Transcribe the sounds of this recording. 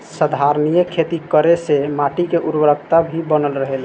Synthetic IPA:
səd̪ʱaɾnijəkʰːet̪ikəɾesemaʈikeʔuɾwəɾək̚t̪abʱibənəlɾəɦel

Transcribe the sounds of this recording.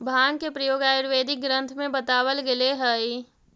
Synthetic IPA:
bʱaːŋkepɾɐjoːɡaːjɾʋeːd̪ʱɪk̚ɡɾə̃nt̪ʰmẽbət̪aːʋəlɡeleɦəi

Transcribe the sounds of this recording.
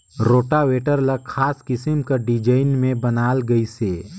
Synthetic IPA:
ɾoːʈaweːʈəɾlɐkʰaːskɪsɪmkaɖɪd͡ʒaɪnmẽbɐnaːlɡɐiseː

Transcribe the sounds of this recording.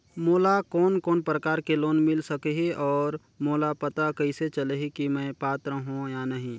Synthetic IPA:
moːlakɔːnkɔːnpɾəkaːɾkeloːnmɪlsəkeɦiʔɔːɾ | moːlapət̪akɐɪset͡ʃəleɦikimɛ̃ːpaːt̪ɾəɦũjanəɦĩ

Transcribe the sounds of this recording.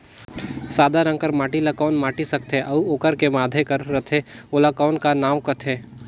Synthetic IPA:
saːd̪ʱaɾə̃ŋkəɾmaːʈilakɔːnmaːʈisɐkt̪ɦeʔɐoːkəɾkemaːd̪ʱekɐɾːɐt̪ʰeolakɔːnkanaːʋkɐt̪ʰeː

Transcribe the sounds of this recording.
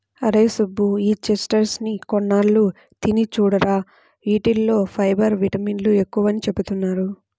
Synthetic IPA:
ɐɾeːsubːuiːt͡ʃesʈɐɾsnikɔnːaːlːu | t̪init͡ʃuːɽɐɾaː | iːʈilːo̞ːpʰɐjbɐɾʋiʈɐmiːnlue̞kːuʋɐnit͡ʃe̞but̪unːaːɾu

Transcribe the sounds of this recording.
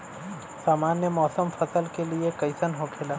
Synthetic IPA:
saːmaːnjəmɔːsəmfʰɐsəlkeliekɐɪsənɦokʰelaː

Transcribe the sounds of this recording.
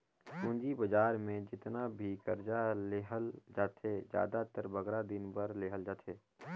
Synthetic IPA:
kũːɲd͡ʒibəd͡ʒaːɾmẽd͡ʒɪt̪nabʱiɡəɾd͡ʒaleːɦəld͡ʒaːt̪ʰed͡ʒja̰ːd̪at̪əɾbəɡɾad̪ɪnbəɾleːɦəld͡ʒaːt̪ʰeː

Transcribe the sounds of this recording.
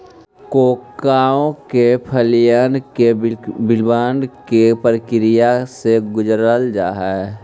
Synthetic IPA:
koːkːaːõkepʰəlɪjaːnkebɪlbaːnkepəɾkɪɾɪjaseɡʊd͡ʒɾəld͡ʒa̰ːɦɛ

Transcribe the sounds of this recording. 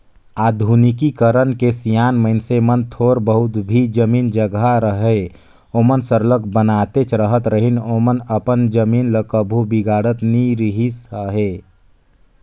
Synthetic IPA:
aːd̪ʱunɪkikəɾənkesijaːnməɪnsemənt̪ʰoːɾbəɦʊt̪bʱid͡ʒəmiːnd͡ʒəɡaɾəɦe | oːmənsəɾlək̚bənaːt̪et͡ʃʰɾəɦət̪ɾəɦinoːmənəpənd͡ʒəmiːnləkəbʱubiɡaːɽət̪niɾiɦisəɦeː

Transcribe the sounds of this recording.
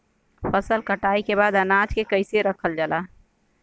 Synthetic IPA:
pʰəsəlkəʈaːikebaːd̪ənaːd͡ʒkekəɪseɾəkʰəld͡ʒəlaː

